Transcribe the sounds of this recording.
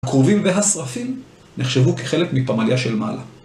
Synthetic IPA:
akʁovimveɦasʁafim | neχʃevukeχe̞lekmipamaljaʃe̞lma̰la

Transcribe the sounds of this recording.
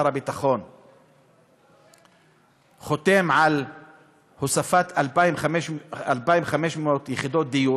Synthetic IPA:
ɾˤabit̪aχon | χot̪emʕal | hosafat̪ʔalbaimameʃalbaimχameʃmot̪jɪχid̪ot̪̚d̪iju

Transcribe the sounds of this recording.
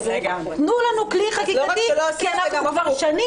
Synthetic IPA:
ɡ | tnulanukliχakikeanaχkvaʁʃani

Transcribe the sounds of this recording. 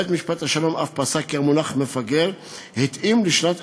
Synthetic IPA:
t̪miʃpat̪haʃalo̞ma̰fpasakeʁmunaχmefaɡeʁ | hit̪imliʃnat̪

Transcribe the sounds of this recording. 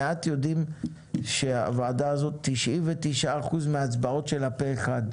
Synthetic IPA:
eat̪jo̞dim | ʃea̰vaːdaazo̞t̪ːiʃʔivetiʃaːχuzmeat͡sbao̞tʃe̞lapeːχad

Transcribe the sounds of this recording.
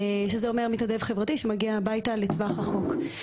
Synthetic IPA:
eʃezeo̞me̞ʁmit̪nade̞vχevʁatiʃemaɡiaːbajtaletvaχʁaχo̞k

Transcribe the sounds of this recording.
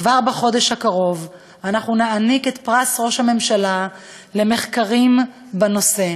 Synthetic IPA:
vaʁbaχo̞deʃhakaʁo̞v | anaχnunaaniket̪pʁasʁo̞ʃhame̞mʃala | le̞meχkaʁim | bano̞se̞

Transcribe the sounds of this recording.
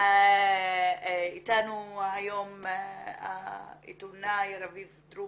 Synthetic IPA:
a | it̪anuajom | a̰ḭt̪unajɾavivd̪ɾu

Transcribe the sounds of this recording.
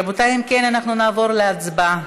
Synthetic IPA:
but̪ajimkenanaχnunaːvo̞ʁleat͡sba

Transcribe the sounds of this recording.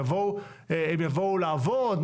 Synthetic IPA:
avou | eemjavoulaːvod̪m

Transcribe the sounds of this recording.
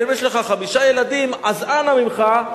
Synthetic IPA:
imjeʃleχaχamiʃajelad̪imazanamimχa

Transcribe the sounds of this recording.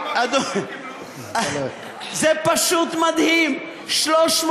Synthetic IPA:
ad̪o | zepaʃut̪mad̪him | ʃloʃm

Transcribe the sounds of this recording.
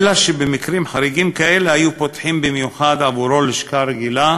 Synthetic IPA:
laʃebemikɾimħaɾiɡimkaʔelehajupot̪ħimbimjuħad̪ʕavuɾo̞leʃkaɾeɡila

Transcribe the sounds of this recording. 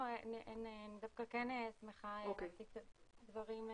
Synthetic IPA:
ʔenend̪afkakenesmeχaokesiktatdvaʁim

